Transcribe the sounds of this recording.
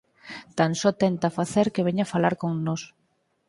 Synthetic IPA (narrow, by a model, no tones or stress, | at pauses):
t̪ansɔt̪ɛnt̪afaθeɾkeβeɲafalaɾkoŋnos